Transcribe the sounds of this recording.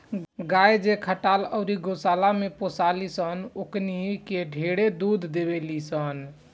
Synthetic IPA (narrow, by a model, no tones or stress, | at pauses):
ɡajd͡ʒekʰəʈaləʊɾiɡosalameposalisənoknikeɖʱeɽed̪ud̪ʱd̪ebelisən